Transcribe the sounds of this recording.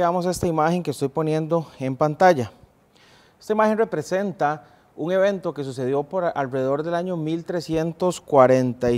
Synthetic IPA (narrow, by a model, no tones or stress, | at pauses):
amos̬e̞st̪aimaxe̞ŋkest̪o̞jpo̞nje̞nd̪o̞empant̪aʝa | est̪aimaxẽ̞nre̞pɾe̞se̞nt̪a | uŋe̞β̞e̞nt̪o̞ke̞s̬us̬e̞ð̞jo̞poɾalreðeðo̞ɾd̪e̞laɲo̞milt̪ɾe̞sje̞nt̪oskwaɾent̪a